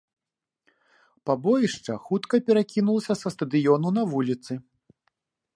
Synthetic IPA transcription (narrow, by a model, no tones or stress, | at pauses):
pabɔjiʂt͡ʂɐ̰xut̪kɐpʲɛɾakʲinulˠɐsʲɐsɐst̪ɐd̪ɨjɔnunɐvulʲit̪sɨ